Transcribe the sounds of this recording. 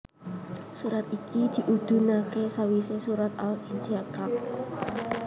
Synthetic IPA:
suɾat̪ikid̪̥i̤ʔud̪̥ṳnakesawisesuɾat̪̚alind͡ʒakak̚

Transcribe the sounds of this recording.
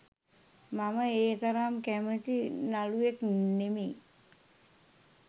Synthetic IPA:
maməeːt̪ɐɾaːmkæmətinalueknemi

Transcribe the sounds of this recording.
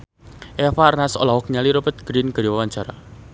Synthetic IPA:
ʔɛfarnasɔ̰lawɔk̚ɲaliɾopət̪̚ɡ̥ɾinɡ̥əɾiwawaɲt͡ʃaɾa

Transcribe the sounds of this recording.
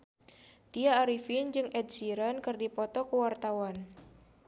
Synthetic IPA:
t̪iaːɾifind͡ʒɨŋʔɛd̪̚siɾankɨrdipɔt̪ɔkəwart̪awan

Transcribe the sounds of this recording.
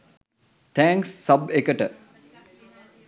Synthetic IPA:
t̪ʰæ̃ːŋksːɐbekəʈə

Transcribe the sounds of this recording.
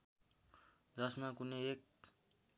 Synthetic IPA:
d͡zʌsmakuneek̚

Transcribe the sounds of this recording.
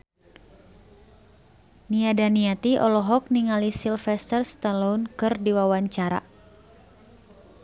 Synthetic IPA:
niadaniat̪iʔɔlɔɦɔk̚niŋalisilfɛst̪ərst̪alɔunkɨrdiwawaɲt͡ʃaɾa̰

